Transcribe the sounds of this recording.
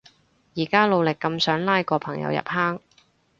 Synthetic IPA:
jiː˨˩kaː˥lo˨˧wlɪ˨kːɐ˧msœː˨˥ŋlaː˥jkɔː˧pʰɐ˨˩ŋjɐ̰˨˧wjɐ̰˨p̚haː˥ŋ

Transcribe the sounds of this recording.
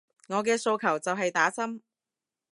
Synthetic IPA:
ŋɔː˨˧k̬ɛː˧so˧wkʰɐ˨˩wt͡sɐ˨wɦɐ˨jt̪aː˨˥sɐ˥m

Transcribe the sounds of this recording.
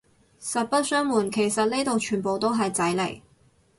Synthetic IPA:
sɐ˨t̚pɐ˥t̚sœː˥ŋmuː˨˩nkʰe˨˩jsɐ˨t̚ne˥t̪o˨wt͡ʃʰyː˨˩npo˨wt̪o˥wɦɐ˨jt͡sɐ˨˥jlḛ˨˩j

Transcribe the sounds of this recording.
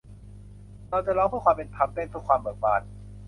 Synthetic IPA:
ɾa˧wt͡ɕa˨lɔː˧ŋpʰɯː˥˩kʰwaː˧mpe˧npʰa˧˥mpe˧˥˨nkʰɯ˥˩kwaː˧mbɤː˨˩k̚baː˨˩t̪̚

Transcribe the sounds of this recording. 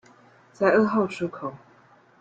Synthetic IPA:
t͡sa˥˧ɪɤ˥˧xɑ˥˩ʊʈ͡ʂʰu˥kʰo˨˩˦ʊ

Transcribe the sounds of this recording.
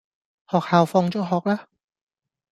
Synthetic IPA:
hɔː˨k̚haː˨wfɔː˧ŋt͡ʃɔː˨˥ɦɔː˨k̚laː˥

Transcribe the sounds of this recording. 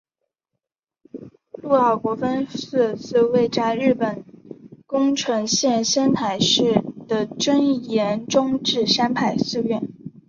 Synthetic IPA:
lu˥˧ɑ˥˩ʊkwɔ˧˥fə˥ns̩˥˧˩t͡sɹ̩˥˧we˥˩ɪʈ͡ʂa˥ɪɻɻ̩˥˩pə˨˩nkʊ˥ŋʈ͡ʂʰwɤ˧˥ŋɕjɛ˥˧nɕə˥nt̪ʰa˧˥ɪʂɻ̩˥˩d̪̥ə˩ʈ͡ʂə˥njɛ˧˥nʈ͡ʂʊ˥ŋʈ͡ʂɻ̩˥˩ʂa˥npʰa˥˧ɪsɹ̩˥˧ɥɛ˥˩n

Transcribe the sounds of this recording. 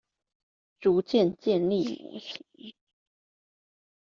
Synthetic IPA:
ʈ͡ʂu˧˥˦t͡ɕjɛ˥˨nt͡ɕjɛ˥˧nli˥˩mṵ˧˥˦ɕi̥˧˥˦

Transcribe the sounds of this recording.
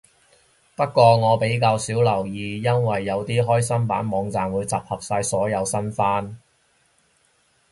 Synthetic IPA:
pɐ˥kːʷɔː˧ŋɔː˨˧pe˨˥jkaː˧wsiː˨˥wlɐ˨˩wjiː˨˧jɐ˥nwɐ˨jːɐ˨˧wt̪iː˥ɦɔː˥jsɐ˥mpa̰ː˨˥nmɔː˨˧ŋt͡saː˨mwuː˨˧jt͡sɐ˨p̚hɐ˨p̚saː˧jsɔː˨˥jɐ˨˧wsɐ˥nfaː˥n

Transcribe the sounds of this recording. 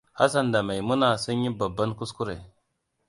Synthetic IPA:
a̰˦s̬a˦nda˨ma˨jmu˦na˨sa˦ɲi˦ba˨ba˦nku˦sku˦ɾe˨

